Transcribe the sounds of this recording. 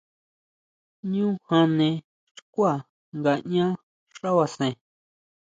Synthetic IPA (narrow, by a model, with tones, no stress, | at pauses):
ɲũ˦hã˧nẽ˧ | ʃkʷa˦˨ | ŋɡa˧˨ɲã˦ | ʂa˦wa˧sẽ˨